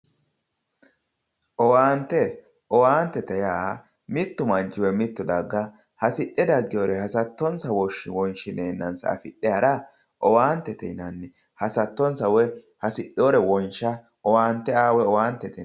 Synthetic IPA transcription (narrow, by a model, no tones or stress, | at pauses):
ʔɔwaːnt̪ːɛ | ʔɔwaːnt̪ːɛt̪ɐjaː | mɪt̪ːʊmɐnt͡ʃːɪwɛmɪt̪ːʊd̪ɐɡːɐ | hɐsɪʔːɛd̪ɐɡːɪjɔɾɛhɐsɐt̪ːɔnsɐwɔʃːɪ̰wɔnʃɪneːnːɐnsɐ̰ɐ̰fɪɗːɛjɐɾɐ | ʔɔwaːnt̪ːɛt̪ɛ̰nɐnːɛ | hɐsɐt̪ːɔnsɐwɛ | hɐsɪɗɔːɾɛwɔnʃɐ | ɔwaːnt̪ːɛaːwɛɔwaːnt̪ːɛt̪ɛ